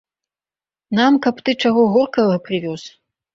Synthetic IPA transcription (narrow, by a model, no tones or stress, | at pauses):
namkɐpt̪ɨt͡ʂaɣɔɣɔrkɐɣɐpɾɨvʲɔs